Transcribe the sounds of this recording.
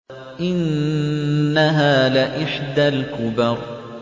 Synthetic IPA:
ʔɪnː | aɦaːlɪʔɪħd̪alkʊbɑɾˤ

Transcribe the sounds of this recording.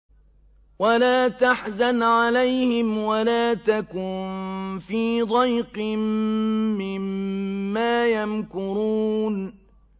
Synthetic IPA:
walaːt̪aħzanʕalajhɪmwalaːt̪akʊnfiːd̪ˤɑjqmː | ɪmː | aːjamkʊɾuːn

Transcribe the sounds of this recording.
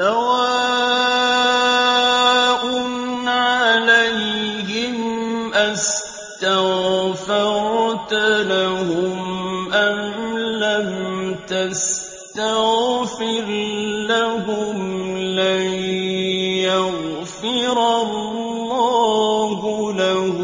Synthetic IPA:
sawa | ʔʊnʕaalajhɪmʔas | t̪aɣfɪɾˤt̪alahʊmʔamlamt̪as | t̪aɣfɪɾlaɦʊmla | jaɣfɪɾalː | ɑːɦʊlah

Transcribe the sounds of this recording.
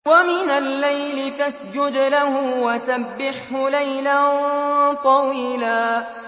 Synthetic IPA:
wamɪnalːajlɪfasd͡ʒʊd̪lahʊwasabːɪħhʊlajlant̪ˤɑwiːlaː

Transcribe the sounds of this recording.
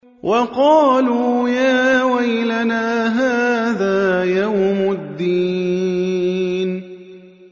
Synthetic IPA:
wʔɑqɑːluːjaːwajlanaːɦaːðaːjawmʊd̪ːiː | n

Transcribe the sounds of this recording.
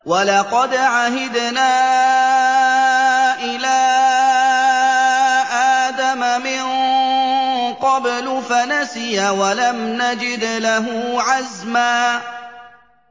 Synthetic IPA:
walɑqɑd̪ʕaɦɪd̪naː | ʔɪlaː | ʔaːd̪amamɪn | qɑblʊfanasɪjawalamnad͡ʒɪd̪laɦʊʕazmaː

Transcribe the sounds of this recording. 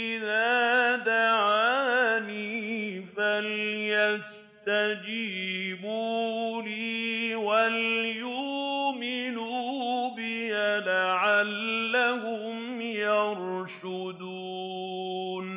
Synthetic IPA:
ʔɪðaːd̪aʕaːniːfaljas | t̪ad͡ʒiːbuːliwaljuːmɪnubɪhalaʕalːahʊ | m | jɑɾʃ | ʊd̪u | n

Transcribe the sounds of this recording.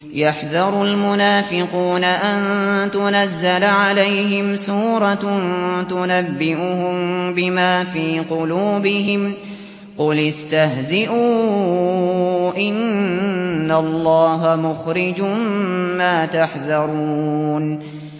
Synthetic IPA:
jaħðɑɾˤʊlmʊnaːfɪquːnaʔant̪ʊnazːalʕalajɦɪmsuːɾˤɑt̪ʊnabːɪʔʊhʊmbɪmaːfiːqʊluːbɪɦɪm | qʊlɪst̪aɦzɪʔuː | ʔɪnː | alːɑːɦamʊxɾɪd͡ʒʊmmaːt̪aħðɑɾˤuːn

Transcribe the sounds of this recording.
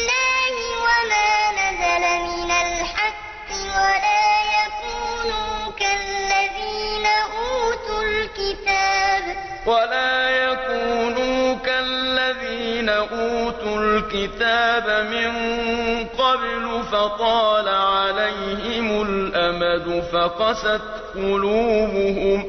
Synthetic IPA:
lːaːhɪwamaːnazalamɪnalħaqːɪwalaːjakuːnuːkallːaðiːnaʔuːt̪ʊlkɪt̪aːb | walaːjakuːnuːkalːaðiːnaʔuːt̪ʊlkɪt̪aːbamɪŋ | qɑblʊfɑqɑːlaʕalajhɪmʊlʔamad̪ʊfɑqɑsat̪ | qʊluːbʊɦʊm

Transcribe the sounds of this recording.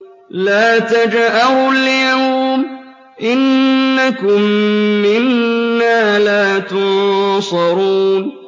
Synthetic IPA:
laːt̪ad͡ʒʔahʊljaːm | ʔɪnːakʊmːɪnːaːlaːt̪ʊnsˤɑɾuːn

